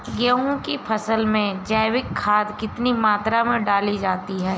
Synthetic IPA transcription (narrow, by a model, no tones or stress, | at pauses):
ɡəɦũkepʰɐsəlmẽd͡ʒaːɪwɪkʰːaːd̪kɪt̪nimaːt̪ɾamẽɖaːlid͡ʒaːt̪iɦɛː